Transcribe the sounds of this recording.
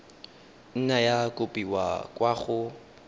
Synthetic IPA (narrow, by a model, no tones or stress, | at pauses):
n̩najakʼʊpʼiwa̰kʼwaχʊ